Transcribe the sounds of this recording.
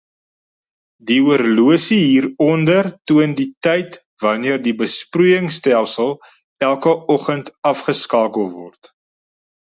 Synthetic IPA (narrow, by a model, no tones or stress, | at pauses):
diuərluəsiɦiːɾɔndərtuənditɛjt | vɐniərdibəsprujəŋstælˠsəlˠ | ælˠkəɔχəntɐfχəskɑːkəlˠvɔ̰rt